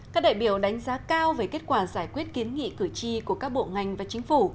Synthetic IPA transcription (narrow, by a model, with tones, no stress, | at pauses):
kaː˦˥ɗa̰ː˧˨jɓi˧˩əwɗa˨˦jŋ̟zaː˨˦kaː˧wveː˨˦jke˦˥t̚kwaː˧˩nzaː˧˩jkwi˦˥ət̚ki˨˦ənŋḭ˧˨kɨ˧˩t͡ɕi˧ku˧˩əkaː˦˥k̚ɓo̰˧˨ŋa˨˩jŋ̟vaː˨˩t͡ɕï˨˦ŋ̟fu˧˩